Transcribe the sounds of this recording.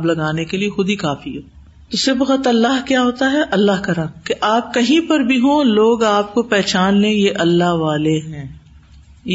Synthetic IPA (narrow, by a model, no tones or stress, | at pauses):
blɐɡaːnekeliexʊd̪ʱikaːfiɦɛː | t̪osɪbqət̪ɐlːaɦkjaːɦoːt̪aɦɛʔɐlːaɦkɐɾãːmkeʔaːp̚kɐɦĩpɐɾbʱiɦõloːɡaːp̚kopɛːt͡ʃaːnlẽjeʔɐlːaɦʋaːleɦɛ̃ː | j